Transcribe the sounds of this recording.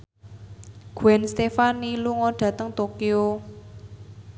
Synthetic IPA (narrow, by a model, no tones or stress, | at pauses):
ɡ̥ɛnst̪efaniluŋɔɖ̥ä̤t̪əŋt̪okio